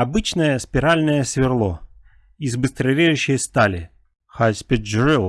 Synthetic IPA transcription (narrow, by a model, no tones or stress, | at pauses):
ɐbɨt͡ɕnəjəspʲɪɾalʲnəjəsvʲɪrlˠo | izbɨst̪ɾɐvʲejʊɕːɪjəst̪alʲɪ | xajspʲɪd͡ʒɾʲilˠ